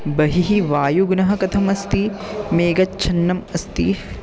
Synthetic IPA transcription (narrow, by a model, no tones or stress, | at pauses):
bɐɦiɦiʋaːjuɡnɐɦɐ̆kɐt̪ʰɐmɐst̪imeːɡɐtt͡ʃʰɐnːɐmɐst̪i